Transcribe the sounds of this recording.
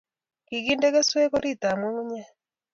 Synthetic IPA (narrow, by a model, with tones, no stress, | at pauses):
ki˨ki˦nde˦ke˦swe˦ko˦ɾi˦˨t̪a˨mu˦ɲa˦